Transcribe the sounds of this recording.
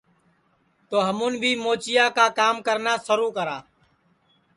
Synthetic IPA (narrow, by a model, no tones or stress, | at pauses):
t̪oːɦəmũːnbʱiːmoːt͡ʃɪjaːkaːkaːmkəɾnaːsəɾuːkəɾaː